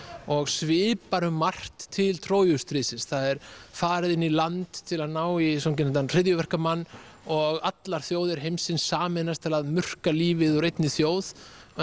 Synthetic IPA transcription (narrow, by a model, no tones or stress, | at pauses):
ɔɣsvɪːpaɾʏmːar̥t̪ʰːɪlt̪ʰɾoːwjʏst̪ɾiːsɪnsθaðɛɾ̥faːɾɪðɪnːilant̪t̪ʰɪlaðnaːwisoc̬ɪnant̪anr̥ɪðjʏvɛr̥kamanː | ɔɣat̪laɾ̥θjoːwðɪɾ̥ɦejmsɪnsːaːmɛnast̪ʰɪlaðmʏr̥kaliːvɪðɔɾejt̪nɪθjoːwð